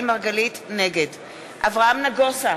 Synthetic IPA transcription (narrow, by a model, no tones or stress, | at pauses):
maʁɡalitneɡe̞d | ʔavʁaamnaɡosa